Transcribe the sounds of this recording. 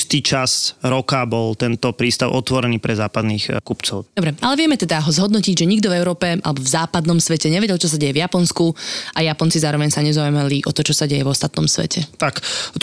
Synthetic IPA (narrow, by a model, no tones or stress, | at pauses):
st̪iːt͡ʃasɾɔkabɔlt̪ɛnt̪ɔpɾiːst̪aʊʔɔt̪ʋɔɾɛniːpɾɛzaːpad̪niːxkupt͡sɔʊd̪ɔbɾɛʔalɛʋɪɛmɛt̪ɛd̪aɦɔzɦɔd̪nɔciɟʒɛɲiɡ̚d̪ɔvɛʊɾɔːpɛʔa̰lɛbɔvzaːpad̪nɔmsʋɛcɛɲɛʋɛɟɛlt͡ʃɔs̬aɟɛjɛvjapɔnskuʔajapɔnt͡sizaːɾɔʋɛɲsaɲɛzaumaliʔɔt̪ɔt͡ʃɔsaɟɛjɛvɔst̪at̪nɔ̰msʋɛ̰cɛt̪ak̪